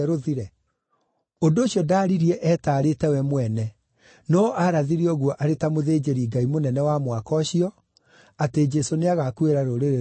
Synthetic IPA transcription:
ɾoðiɾɛ | ondoːɕiɔdaːɾiɾiɛʔɛtaːɾetɛwɛmwɛnɛ | nɔʔaɾaðiɾiɔɣwɔʔaɾetamoðeːd͡ʑeɾiɡaimonɛnɛwamwakɔɕiɔ | ated͡ʒɛsoneaɣakueɾaɾoɾeɾe

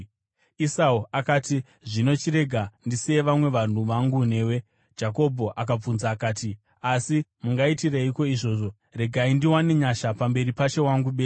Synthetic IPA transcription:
isauakaːti | ʐino̞t͡ʃiɾe̞ɡʱandise̞ʋamwe̞ʋan̤uʋaŋɡune̞ːwe̞ | d͡ʒako̞bʱo̞ʔak̬ap͡funzaːkaːti | asimuŋɡaitireiko̞iʐo̞ːʐo̞ | re̞ɡʱaindiwaneɲaʃapambe̞ɾipat͡ʃe̞waŋɡuɓe

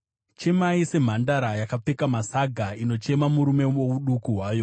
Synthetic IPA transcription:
t͡ʃe̞maise̞m̤andaɾajakap͡fe̞kamasaɡʱaino̞t͡ʃe̞mamuɾume̞o̞uɗukuɦwaːjo

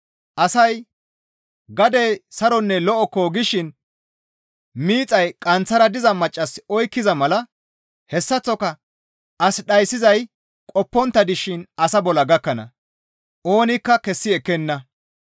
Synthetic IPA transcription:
ʔɐsɐj | ɡɐd̪esɐɾɔnːɛlɔʔɔkːoɡɪʃɪn | miːt͡sʼɐjkʼɐnt͡sːɐɾɐd̪ɪzɐmɐt͡ʃʼːɐsɔjkːɪzɐmɐlɐ | hɛsːɐt͡sːɔkɐ | ʔɐsɗɐjsːɪzɐj | kʼɔpːɔnt̪ːɐd̪ɪʃɪnɐsɐbɔlɐɡɐkːɐnɐ̰ | ʔo̞ːnɪkːɐkɛsːɪɛkːɛnːɐ

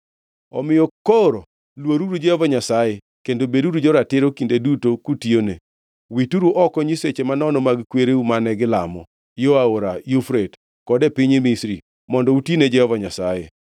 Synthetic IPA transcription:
ɔmɪjɔkoɾo | lwoɾuɾud͡ʒɛhɔvaɲasaje | kendobeduɾud͡ʒɔɾatɪɾokindedutokutione | wituɾuʔɔkɔɲiset͡ʃemanɔnɔmaɡkweɾeumanɛɡɪlamɔ̰ | joaoɾajofɾet | kɔdɛpɪɲemisɾi | mɔndɔutined͡ʒɛhɔvaɲasaje

